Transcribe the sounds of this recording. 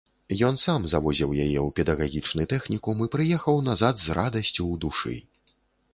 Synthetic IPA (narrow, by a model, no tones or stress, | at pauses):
jɔnsamzavɔzʲiwjajɛwpʲɛd̪ɐɣaɣʲit͡ʂnut̪ɛxnʲikumɨpɾɨjɛxɐwnazad̪zɾad̪ɐsʲt͡sʲud̪uʂɨ̰